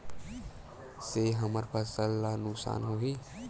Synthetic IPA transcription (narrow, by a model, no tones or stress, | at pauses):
seɦəməɾpʰəsəlːanʊksa̰ːnɦoɦi